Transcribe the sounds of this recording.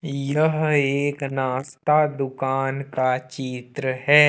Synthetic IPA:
jəɦeːknaːst̪ad̪ʊkaːnkat͡ʃiːt̪ɾəɦɛː

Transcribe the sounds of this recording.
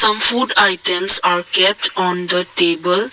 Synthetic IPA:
sʌ̃mfuːɖaɪʈə̃msaːɾkɛp̚ʈɔ̃ːnd̪əʈeːbəl

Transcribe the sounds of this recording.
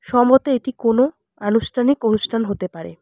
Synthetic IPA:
ʃɔmot̪eeʈikono | anuʃʈʰanikonuʃʈʰanɦot̪epaɾḛ

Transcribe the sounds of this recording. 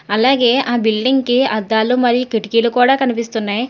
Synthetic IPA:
ɐlaːɡe̞ːʔaːbilɖiŋɡkiɐd̪ːaːlumɐɾijukeʈikilukuːɽaːkɐnipist̪unːaːji

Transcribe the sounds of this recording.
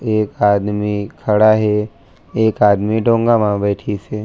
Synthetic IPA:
eːkaːd̪mikʰɐɽaɦɛ | eːkaːd̪miɖʱõːŋɡamãbɛːʈʰise

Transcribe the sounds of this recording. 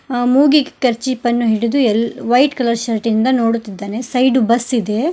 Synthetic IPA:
muːɡikkɐɾt͡ʃipɐnːuɦiɽid̪uɛlʋɐjʈkɐlɐɾʃɐɾʈind̪ɐno̞ːɽut̪ːid̪ːaːnesɐjɖubɐsːid̪e̞

